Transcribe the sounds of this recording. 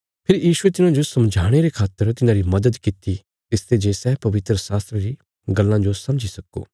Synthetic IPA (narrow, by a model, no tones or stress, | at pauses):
pʰɪɾjiːʃʊet̪ɪnãd͡ʒosɐmd͡ʒʱaːɽ̃eɾekʰaːt̪ːəɾt̪ɪnãɾimɐd̪əd̪kɪt̪i | t̪ɪst̪ed͡ʒesɛːpɐʋɪt̪ɾəsaːst̪ɾeɾi | ɡɐlːãd͡ʒosɐ̃md͡ʒisɐko̰ː